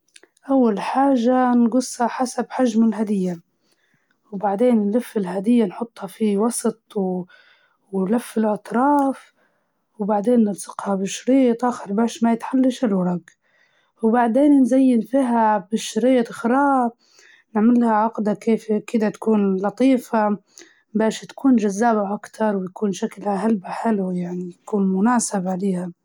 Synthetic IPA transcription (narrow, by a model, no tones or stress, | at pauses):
ʔawːalħaːʒːanɡʊshaħasabħaʒmɪlɦad̪ɪjːa | wbaʕd̪eːnnlafːɪlɦad̪ɪjːanħʊt̪ˤːhɑfiwɑsˤt̪ˤw | wnlafːɪlʔɑt̪ˤɾˤɑːf | wbaʕd̪eːnːɪɾsɪqhabɪʃɾiːt̪ˤʔaːxɪɾbaːʃmajɪt̪ħalːaʃɪlwɑɾˤɑɡ | wbaʕd̪eːnnzajːɪnfiːɦabɪʃɾiːt̪ˤxɾˤɑː | nɪʕmɪlhaʕaqd̪akeːfkɪd̪at̪ḁkuːnlɑt̪ˤiːfa | baːʃt̪ḁkuːnʒazːaːbaʔakt̪ʰɑɾˤwjakuːnʃaklaɦalbaħɪlujaʕnijkuːnmʊnaːsɪbʕaleːha